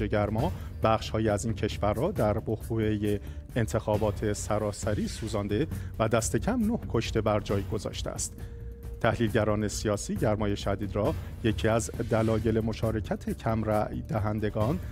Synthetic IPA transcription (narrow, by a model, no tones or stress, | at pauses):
eɟæɾmɒːbæχʃhɒːjiæziːncʰe̞ʃvæɾːɒːd̪æɾbohbuːeje | ent̪ʰe̞xɒːbɒːt̪ʰe̞sæɾɒːsæɾiːsuːzɒːnd̪e̞væd̪æst̪e̞cʰæmnohkʰo̞ʃt̪e̞bæɾd͡ʒɒːjɡo̞zɒ̰ːʃt̪ḛæ̰st̪ | t̪ʰːæhliːlɟæɾɒːne̞sijɒːsiːɟæɾmɒːje̞ʃæd̪iːd̪ɾɒːje̞cʰiːæzd̪ælɒːje̞le̞mo̞ʃɒːɾe̞cʰæt̪ʰe̞cʰæmɾæd̪æɦænd̪e̞ɡɒːn